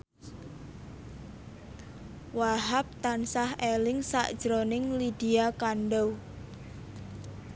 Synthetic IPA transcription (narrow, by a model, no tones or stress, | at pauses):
waɦap̚t̪ansahelɪŋsa̰ʔd̥ʒ̥ɾonɪŋlid̥iakanɖɔw